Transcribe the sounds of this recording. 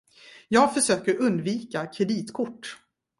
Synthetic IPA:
jɑːɡfœʂøːkəɾɵnd̪viːkakʰɾɛd̪iːt̪kʰʊʈː

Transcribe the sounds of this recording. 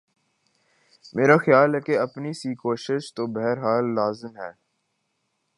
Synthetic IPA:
meːɾaxjaːlɦɛːkeɐpnisikoːʃɪʃt̪obɛɦɛɾɦaːlːaːzəmɦɛː

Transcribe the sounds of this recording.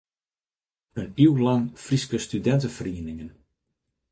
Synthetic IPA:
əniwlɑŋfriskəstydɛntəfriənɪŋən

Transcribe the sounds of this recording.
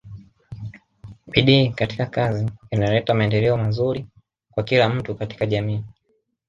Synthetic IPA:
ɓiɗiːkati̥kakaziːnalɛtamaɛndɛlɛɔmazuɾi | kwakilam̩tukati̥kaʄamiː

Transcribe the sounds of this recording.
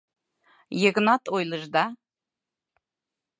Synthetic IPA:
jeɡnɑt̪ojlˠəʒd̪ɑ

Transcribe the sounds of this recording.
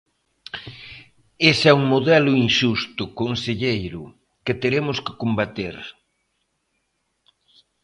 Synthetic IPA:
esɛuŋmoðɛlʊinʃust̪ʊkonseʎejɾʊ | ket̪eɾemʊskɪ̥kombat̪eɾ

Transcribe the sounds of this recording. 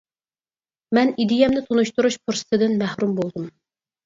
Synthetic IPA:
mɛnid̪ɪjɛmnɪt̪ʰonuʃt̪uɾuʃpʰuɾsɨ̥t̪ʰɨd̪ɪnmæhɾumbolˠd̪ɨm

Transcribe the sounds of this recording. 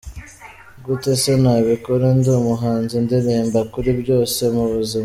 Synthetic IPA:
ɡutesenaːβikoɾenduːmuɦaːnzindiɾeːmbakuɾibɟo̞ːse̞muβuzima

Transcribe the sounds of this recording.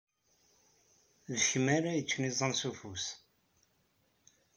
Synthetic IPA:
ðəçəmaɾajət͡sːnizˤənsufus

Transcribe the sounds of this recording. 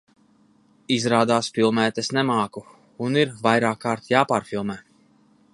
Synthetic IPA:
izɾaːd̪aːsfilˠmɛːt̪ɛsnɛmaːku | uniɾvajɾaːkːaːɾt̪jaːpaːɾfilˠmɛː

